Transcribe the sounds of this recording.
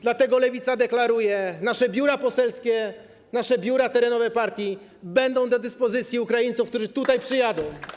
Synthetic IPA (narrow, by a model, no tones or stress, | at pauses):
d̪lat̪ɛɡɔlɛvʲit̪sad̪ɛklaɾujɛnaʂɛbʲjuɾapɔsɛlskʲɛ | naʂɛbʲjuɾat̪ɛɾɛnɔvɛpaɾt̪ʲji | bɛnd̪ɔ̃w̃d̪ɔd̪ɘspɔzɘt̪sʲjiukɾajint̪sufkt̪uʐɘt̪ut̪ajpʂɘjad̪ɔ̃w̃